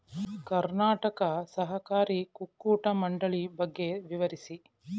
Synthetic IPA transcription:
kɐɾnaːʈɐkɐsɐɦɐkaːɾikukːuːʈɐmɐɳɖɐɭibɐɡːeʋiʋɐɾisi

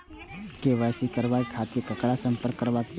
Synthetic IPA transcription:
keʋəjsikəɾbajkʰːat̪iɾkəkɽasəmpəɾkːəɾbakt͡ʃ

